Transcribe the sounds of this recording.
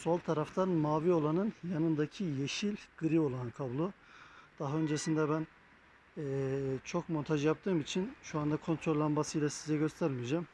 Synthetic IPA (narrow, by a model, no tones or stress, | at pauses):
so̞lˠt̪ʰaɾaft̪ʰanmaːvio̞lˠanɯnjanɯnd̪acʰijeʃilʲɡ̥ɯɾio̞lˠanɯnkʰablˠo | d̪̥aɦaø̞nd͡ʒesind̪ɛbænː | t͡ʃʰo̞kmo̞nt̪ʰaʒɯjap̚t̪ʰɯːmit͡ʃʰinʃuand̪akʰo̞nt̪ʰɾolʲːˠanmasɯjlʲˠasizɛɟø̞st̪ʰæɾmijd͡ʒam